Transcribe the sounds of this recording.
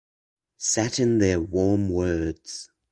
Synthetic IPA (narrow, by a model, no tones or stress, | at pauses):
sætɪ̃nðəwɔːmwɜːdz̥